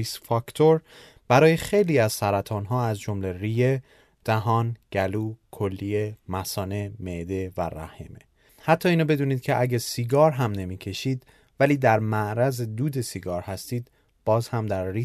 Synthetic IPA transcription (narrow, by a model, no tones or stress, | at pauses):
isfɒkt̪ʰoɾ | b̥æɾɒːje̞xejliːæzsæɾæt̪ʰɒːnɦɒːæzd͡ʒomle̞rije̞ | d̪̥æɦɒːnɟ̥æluːkʰolːiemæsɒːne̞med̪e̞væ̰ɾæ̰heme | hæt̪ʰːɒːiːnobe̞d̪uːniːd̪̥̚cʰe̞ʔæɟæsiːɡɒːɾɦæmne̞miːcʰe̞ʃiːd̪ | væliːd̪æɾmæʔɾæzed̪uːd̪e̞siɡɒːɾhæst̪iːd̪ | b̥ɒːzhæmd̪æɾːi